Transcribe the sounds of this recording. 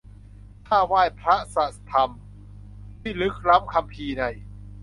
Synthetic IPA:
t̪ʰaː˥˩waː˥˩jpʰɾa˦˥sa˨˩t̪ʰa˧m | t̪ʰiː˥˩lɯ˦˥k̚ɾa˦˥p̚kʰa˧mpʰiː˧na˧˩j

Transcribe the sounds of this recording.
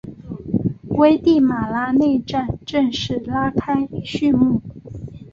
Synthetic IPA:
we˥ɪt̪i˥˩ma˨˩la˥ne˥˧ɪʈ͡ʂa˥˧nʈ͡ʂɤ˥˧ŋʂɻ̩˥˩la˥kʰa˥ɪɕy˥˧nmu˥˩

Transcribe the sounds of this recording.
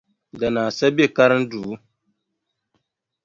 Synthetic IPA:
da˨naː˨sa˦be˦˨ka˦ɾn̩˦duː˨˦

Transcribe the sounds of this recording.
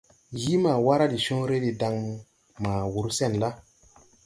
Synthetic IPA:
ji˦ma˨wa˦ɾa˦di˨sɔ̃˦ɾe˦de˨da˧ŋmu˦ | maː˨wu˨ɾsɛ˦˨nla˦

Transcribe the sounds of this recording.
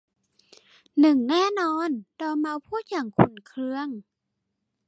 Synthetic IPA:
nɯ˨˩ŋnɛː˥˨nɔː˧˥˨ndɔː˧˩ma˧˥wpʰuː˥˨t̪̚ja˧˩ŋkʰu˧˩˨nkʰɾɯ˧əŋ

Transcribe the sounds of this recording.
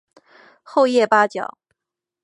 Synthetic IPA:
xo˥˧ʊjɛ˥˩pa˥t͡ɕjɑ̰˨˩˦

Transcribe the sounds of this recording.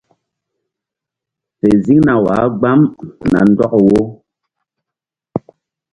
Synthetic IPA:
fe˨zi˦ŋna˨wa̰˨˦ɡ͡ba˦m˨na̰˨n̩˦dɔ˦kwo˦

